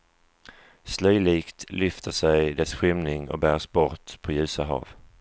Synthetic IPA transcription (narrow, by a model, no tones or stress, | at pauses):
slœjliːkt̪lʏft̪ʰəʂɛjd̪ɛsɧɪmnɪŋɔ̰k̚bæːʂbɔɾt̪pʰɔjʉ̟ːsaɦɑ̰ːv